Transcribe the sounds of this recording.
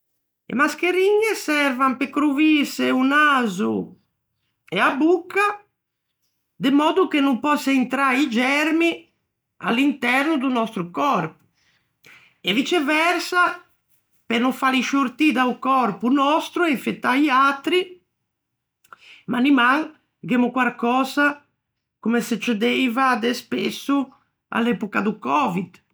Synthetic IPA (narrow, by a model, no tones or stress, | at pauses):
ḛmaskeɾiɲːɛsɛɾvampekɾuviseunaːzu | ɛabukːa | d̪emɔːd̪ukenumpɔsːaint̪ɾaid͡ʒɛɾmi | a̰lːint̪ɛɾnud̪unɔst̪ɾukɔrpu̥ | evit͡ʃɛvɛrsa | penũfaɾiʃuɾt̪id̪aukɔrpunɔst̪ɾuɛiɱfet̪ːaiat̪ːɾi | manimaŋ | ɡemukwaɾkɔːza | kumeset͡ʃed̪ejvad̪espesːu | a̰lːɛpukad̪ukɔvid̪